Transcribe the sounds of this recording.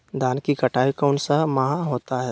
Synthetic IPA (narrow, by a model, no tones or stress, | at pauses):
d̪aːnkikɐʈʰaːikoːɳsəmaɦãɦoːt̪aɦɛ